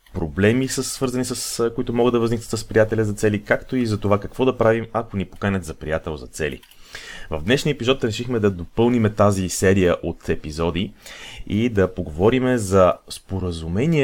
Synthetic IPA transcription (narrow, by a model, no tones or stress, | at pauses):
pɾoblɛmisəsvɤɾzənisəskoit̪ʊmɔɡəd̪ːɐvəznik̪̚ət̪səspɾijat̪ɛlʲɐzɐt̪sɛlikakt̪oizɐt̪ovakɐkvɔd̪ɐpɾavimɐkonipo̥kanʲɛt̪zɐpɾijat̪ɛlˠzɐt̪sɛlḭ | vɐ̰vd̪nɛʃniəɛpizɔt̪ɾɛʃixmɛd̪ɐd̪opɤlˠnimɛt̪azisɛɾijəʔot̪ɛpizɔd̪iid̪ɐpoɡovɔɾimɛzɐspoɾəzumɛniɛ